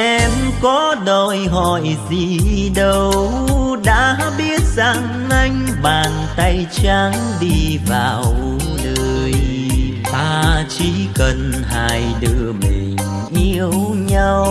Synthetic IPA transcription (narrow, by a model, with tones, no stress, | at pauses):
ʔɛ˧mkɔ˨˦ɗo˧˩jɦɔ˧˨˩jzi˨˩ɗə˧wwɗa̰ː˧˥ɓi˦˥ət̚za˨˩ŋ | ʔa˧jŋ̟ | ɓaː˨˩nt̪a˧jt͡ɕa˨˦ŋ | ɗi˧vaː˨˩wwʔu˨˦ | nəː˧˩˧j | t̪aː˧t͡ɕi˧˦kə˨˩nɦaː˧˩jɗɨ˧˩əmḭ̈˨˩ŋ̟ | ʔi˧əwɲa˧w